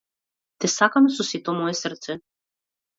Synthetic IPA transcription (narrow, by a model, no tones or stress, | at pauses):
t̪ɛsakamɛsɔsit̪ɔmɔɛsrt̪sɛ